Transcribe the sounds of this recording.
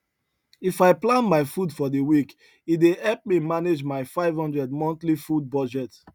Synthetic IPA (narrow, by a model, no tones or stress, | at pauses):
ifaɪplãnmaɪfudfɔdewik | idehɛlp̚mimaned͡ʒmaɪfaɪvhɔ̃ndɹɛd̚mɔ̃ntlifud̚bɔd͡ʒɛt